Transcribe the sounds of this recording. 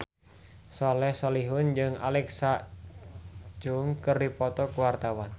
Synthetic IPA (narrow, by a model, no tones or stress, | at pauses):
sɔlɛhsɔliɦʊnd͡ʒɨŋa̰lɛksaʔ | d͡ʒuŋkəripɔt̪ɔkuwart̪awan